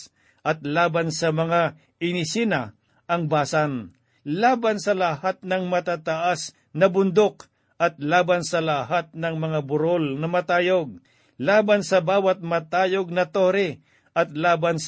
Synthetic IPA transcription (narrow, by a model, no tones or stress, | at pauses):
ʔɐt̪̚laːbansɐmɐŋa | ɪnɪsina | ɐŋbaːsan | laːbansɐlahat̪̚nɐŋmɐt̪aːt̪ɐʔas | nɐbʊnd̪ok | ɐt̪̚laːbansɐlaɦat̪̚nɐŋmɐŋabʊɾolnɐmɐt̪aːjoɡ̚ | laːbansɐbaːwɐt̪̚mɐt̪aːjoɡ̚nɐt̪oɾɛ | ɐt̪̚laːbans